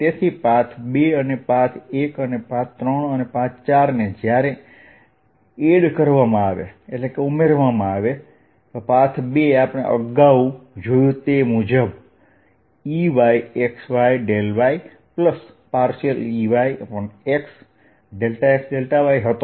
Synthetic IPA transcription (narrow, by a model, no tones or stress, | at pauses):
t̪et̪ʰipãt̪ʰbeənepãt̪ʰekənepãt͡ʃt̪ɾəɳənepãt͡ʃt͡ʃaɾned͡ʒjaɾe | eɽkəɾʋamãaʋḛeʈlekeumeɾʋamãaʋe | t̪opãt̪ʰbeapɽ̃ḛʔə̰ɡaud͡ʒojũt̪emud͡ʒəb | iʋaieksʋaiɖelʋai | pləs | paɾʃəliʋaipəɳeks | ɖelʈaeksɖelʈaʋaiɦət̪o